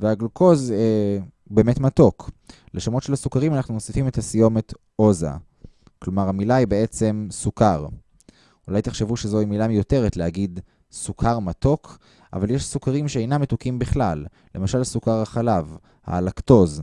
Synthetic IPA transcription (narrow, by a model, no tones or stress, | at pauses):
veaɡloko̞ze | be̞ːme̞tmato̞kʰ | leʃomo̞tʃe̞lhasukaʁimanaχnuno̞sifime̞t̪hasijo̞me̞t | ʔo̞za̰ | klo̞maʁhamilaibe̞e̞t͡se̞msukaʁ | ulajt̪eχʃevuʃezo̞imilamijo̞te̞ʁetlehaɡid | sukʰaʁmato̞kʰ | ʔa̰valjeʃsukaʁimʃeejnamːetukimbiχlalː | e̞maʃalsukaʁaχalav | ha̰lakto̞z